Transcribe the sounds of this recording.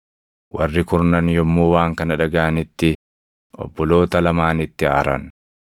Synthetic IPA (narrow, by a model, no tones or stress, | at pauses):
wɐrːɪkʊɾnɐnjɔmːuːwaːŋkɐnɐᶑɐɡɐʔɐnɪt̪ːɪ | ɔ̰bːɔlo̞ːt̪ɐlɐmaːnɪt̪ːɪa̰ːɾɐ̰n